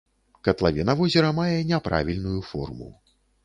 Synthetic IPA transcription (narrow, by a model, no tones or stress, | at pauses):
kɐt̪lˠavʲɛnɐvɔzʲɛɾɐmajɛnʲɛpɾa̰vʲilʲnujufɔ̰rmṵ